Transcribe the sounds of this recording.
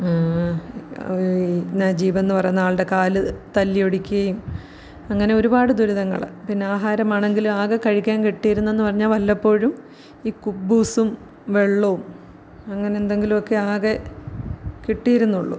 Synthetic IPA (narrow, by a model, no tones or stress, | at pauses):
aː | naːd͡ʑiːbɐenːɨpɐrɐjunːaːɭɨɽe̞kaːlɨt̪ɐlːijoɽikʲːuɣɐjum | ɐŋːɐne̞o̞ɾubaːɽɨd̪uɾuðɐŋːɐ̰ɭ̰pinːeaːɦaːɾɐmaːɳe̞ŋɡilumaːɣɐkɐɻikʲːaːnkiʈːijiɾunːue̞nːɨpɐrɐɲːaːlʋɐlːɐpːo̞ːɻum | iːkubːuːsum | ʋe̞ɭːoum | ɐŋːɐne̞nd̪e̞ŋɡilumo̞kːe̞aːɣe | kiʈːijɾunːuɭːṵ